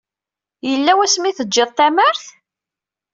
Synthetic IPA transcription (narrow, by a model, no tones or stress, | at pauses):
jəlːæwæsmiθəːɪðˤt̪æməɾθ